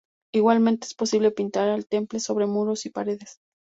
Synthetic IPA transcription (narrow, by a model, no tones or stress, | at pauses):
iɣwalmẽnt̪eespo̞siβ̞le̞pint̪aɾalt̪e̞mple̞so̞βɾe̞muɾosipaɾe̞ðes